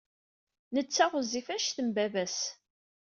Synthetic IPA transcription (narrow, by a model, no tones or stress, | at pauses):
nət͡sːæʁəzifæʃθəmbævæs